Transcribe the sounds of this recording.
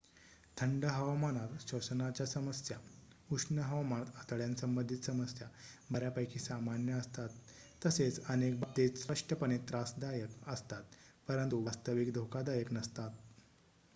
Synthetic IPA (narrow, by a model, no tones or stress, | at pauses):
t̪ʰəɳɖəɦəʋamanat̪ɕəsənat͡ɕjasəməsja | uʂnəɦəʋamãt̪ət̪əɭjansəmbənd̪ʱit̪səməsjaməɾjapəjkʰiːsamanjəːst̪at̪ː | əset͡sənek̚bat̪et͡ssɾəʂʈəpənet̪ɾasd̪ajəkəst̪at̪pəɾənt̪uʋast̪əʋikd̪ʱokad̪ajəknəst̪at̪